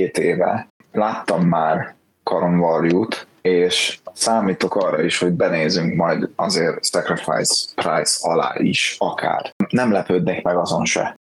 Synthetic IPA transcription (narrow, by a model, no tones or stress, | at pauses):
eːt̪eːvɛ̰ | laːt̪ːɒmːaːr | kɒɾoɱvɒrjuːt̪ | eːʃsaːmiːt̪o̞kɒrːɒiʃho̞ɟ̚bɛneːzyŋkmɒjd̪ɒzeːrsɛkrifa̰jsprajsɒla̰ːʔiʃɒkʰa̰ːrmnɛmlɛpøːd̪nekmɛɡɒzo̞nʃɛ̰